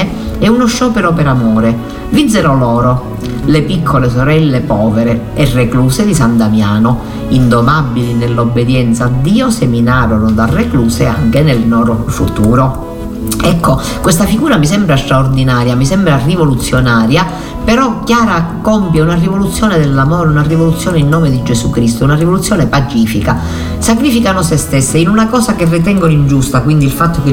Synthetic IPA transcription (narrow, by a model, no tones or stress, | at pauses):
ɛunoʃːɔːpeɾopeɾamɔːɾe | vid̪zeɾolɔːɾo | lepikʰːoles̬oɾɛlːepɔːveɾe | erːekluːsed̪isand̪amjaːno | ind̪omabːilinelːobːed̪jɛnt̪saːd̪ːiːoseminaːɾonod̪arːekluːsea̰ŋkenelnɔːɾofṵt̪uːɾo | ɛkːo | kwest̪afiɡuːɾamis̬ɛmbɾast̪ɾaord̪inaːɾjamisɛmbɾarivolut̪sːjonaːɾja | peɾɔkːjaːɾakompjaunarivolut̪sːjɔːned̪elːamɔːɾeunarivolut̪sːjɔːneinːɔːmed̪id͡ʒesukɾist̪ounarivolut̪sjɔːnepat͡ʃiːfika | sakɾiːfikanosest̪esːeinunakɔːsakerːit̪̬ɛŋɡonoind͡ʒust̪akwind̪ilfat̪ːoke